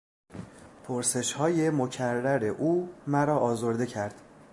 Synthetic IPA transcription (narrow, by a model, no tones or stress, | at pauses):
pʰoɾse̞ʃhɒːje̞mocʰærːæɾe̞ʔuːmæɾɒːʔɒːzo̞ɾd̪e̞cʰæɾd̪̥